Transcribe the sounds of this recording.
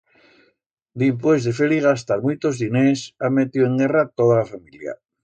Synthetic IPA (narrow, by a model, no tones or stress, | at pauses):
d̪imp̬wezðefeɾiɣast̪aɾmujt̪ozðinesamet̪ioeŋɡerat̪oð̞alafamilja̰